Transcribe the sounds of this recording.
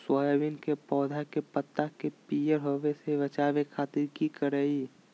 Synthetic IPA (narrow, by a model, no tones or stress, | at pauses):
swaːjaʋinkepɔːd̪ʱakepət̪ːakepijəɾɦoʋeseʋɐt͡ʃaːʋekʰaːt̪ɪɾkikəɾəi